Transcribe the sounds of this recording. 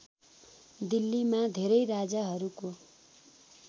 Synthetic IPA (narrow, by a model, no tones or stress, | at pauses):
d̪ilːimad̪ʱeɾʌjɾad͡zaɦʌɾuko